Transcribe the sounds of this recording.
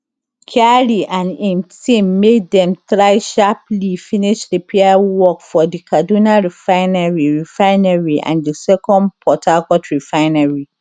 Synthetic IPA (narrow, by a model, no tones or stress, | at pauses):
kʰaɹiʔãnĩmtĩmːeddɛ̃mtɹaɪʃaplifĩniʃdipʰeawɔkfɔdikʰadunaɹifãɪnaɹiɹifãɪnaɹiʔã̰ndisɛkʰɔ̃ndpʰɔtʰakɔtʰɹifaɪnaɹi